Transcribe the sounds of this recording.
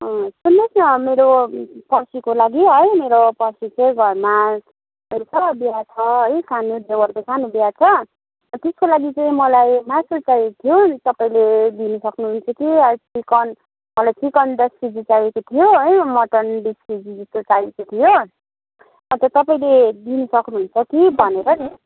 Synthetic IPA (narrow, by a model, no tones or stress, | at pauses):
ʌsunːesnʌmeɾopʌrsikolaɡiɦʌjmeɾopʌrsit͡saĩɡʱʌrma | ɦʌjt͡sʰʌbjat͡sʰʌɦʌjsʰanud̪ewʌrkosʰanubjat͡sʰʌ | t̪eskolaɡit͡saĩmʌlajmasut͡sajet̪ʰijot̪ʌpaĩled̪inʌsʌknuɦunt͡sʰʌkiaʈikʌn | mʌlajtikʌnd̪ʌspid͡zit͡sajekot̪ʰijoɦʌjmʌʈʌnbiskid͡zid͡zʌst̪ot͡sajekot̪ʰijo | ʌnt̪ʌt̪ʌpaĩled̪inʌsʌknuɦunt͡sʰʌkibʱʌneɾʌt͡s